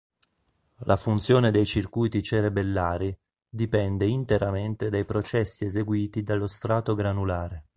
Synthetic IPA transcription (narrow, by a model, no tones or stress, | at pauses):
lʔafunt̪sjoːned̪ejt͡ʃirkujt̪it͡ʃeɾebelːaːɾi | d̪ipɛnd̪eint̪eɾament̪ed̪ajpɾot͡ʃɛsːiezeɡwiːt̪id̪alːost̪ɾaːt̪oɡɾanulaːɾe